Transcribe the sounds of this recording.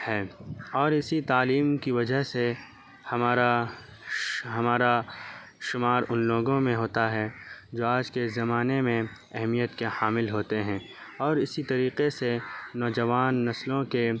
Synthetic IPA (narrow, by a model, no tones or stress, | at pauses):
hɛːɔːɾɪsit̪aːliːmkiʋɐd͡ʒəɦse | hɐmaːɾa | ɦɐmaːɾa | ʃʊmaːɾʊnloːɡõmẽɦoːt̪aɦɛd͡ʒoːaːd͡ʒkezɐmaːnemẽ | ɛɦmijət̪kehaːmɪlɦoːt̪eɦɛ̃ː | ɔːɾɪsit̪ɐɾiːqesenɔːd͡ʒɐʋaːnːɐslõke